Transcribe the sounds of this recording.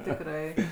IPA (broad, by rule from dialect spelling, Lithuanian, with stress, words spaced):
tʲɪkˈrɐɪ